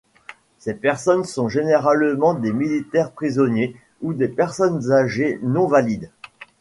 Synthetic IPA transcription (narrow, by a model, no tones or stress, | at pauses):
sepɛʁsɔnsɔ̃ʒeneʁalmɑ̃d̪emilit̪ɛʁpχizɔnje | ud̪epɛʁsɔnzaʒenɔ̃valid̪